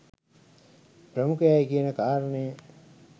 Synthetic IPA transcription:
pɾəmukəjajkiənəkaːɾənəjə

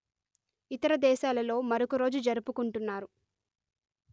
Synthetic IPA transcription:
it̪ɐɾɐd̪ɛːʃaːlɐlo̞ːmɐɾokuɾo̞ːd͡ʒud͡ʒɐɾupukuɳʈunːaːɾu

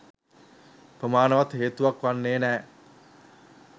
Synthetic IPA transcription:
pɾəmaːnɐʋat̪ɦeːt̪uʋɐkʋanːeːnɛː

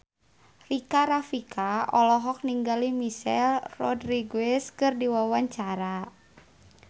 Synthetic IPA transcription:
rikaɾafikʰaɔlɔɦɔk̚niŋɡalimisɛlrɔdriɡɛskɨrdiwawaɲt͡ʃaɾa

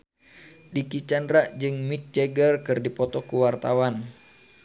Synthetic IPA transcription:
dikit͡ʃandɾaʔd͡ʒɨŋmik̚d͡ʒɛɡərkɨrdipɔt̪ɔkuwart̪awan

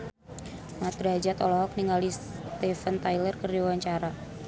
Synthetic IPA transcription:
mat̪ɾaad͡ʒat̪ɔlɔɦɔk̚niŋalist̪ɛfənt̪ajlərkərdiwaɲt͡ʃaɾa

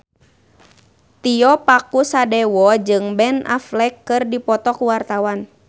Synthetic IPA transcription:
t̪iɔpakusadɛwɔd͡ʒɨŋbɛnʔa̰flɛkːɨrdipɔt̪ɔkuwart̪awan

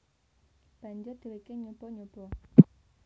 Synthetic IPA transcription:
b̥a̤ɲd͡ʒʊrd̪̥i̤ɾikeɲobɔɲob̥ɔ

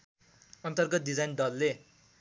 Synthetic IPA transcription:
ʌnt̪ʌrɡʌdid͡zajnɖʌlːe

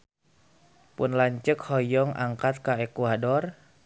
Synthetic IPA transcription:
pʊnlaɲt͡ʃəkhɔjɔŋʔa̰ŋkat̪̚kaekuadɔr

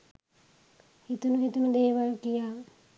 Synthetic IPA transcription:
hit̪unuɦit̪uməd̪eːʋalkijaː

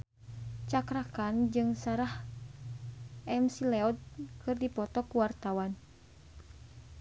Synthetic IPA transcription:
t͡ʃakɾakand͡ʒɨŋsaɾah | ʔɛmsilɛɔd̪̚kɨrdipɔt̪ɔkuwart̪awan

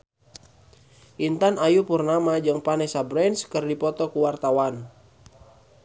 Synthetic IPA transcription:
ʔint̪anajupurnamad͡ʒɨŋpanɛsabɾɛnskərdipɔt̪ɔkuwart̪awan

